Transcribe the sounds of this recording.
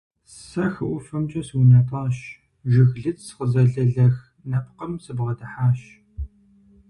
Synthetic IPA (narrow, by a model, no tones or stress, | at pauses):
sɐxɨʔʷʊfɐmt͡ʃʼɐswinɐtʰʼɑːɕ | ʒɪɣɮɨt͡ssχəzɐɮɐɮɐx | nɐp̚qəmsɨbʁɐdɐħaːɕ